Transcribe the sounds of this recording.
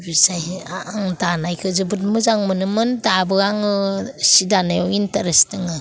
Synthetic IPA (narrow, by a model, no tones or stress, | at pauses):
bisajaŋdanajkʰɯzɯbɯt̚mɯzaŋmɯnɯmɯndabɯaŋɯsidanajɔintaɾestɯŋɯ